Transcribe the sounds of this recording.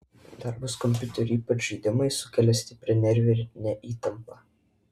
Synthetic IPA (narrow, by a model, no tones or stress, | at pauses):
d̪ɐɾbɐskɔmʲpʲʊt̪ʲɛɾʲʊiːpɐt͡ʃʲʒʲiːd̪ʲɪmɐɪsʊkʲɛlʲɛsʲt̪ʲɪpʲɾʲɛnʲɛɾʲʋʲɛɾʲnʲɛʔiːt̪ɐmpɐ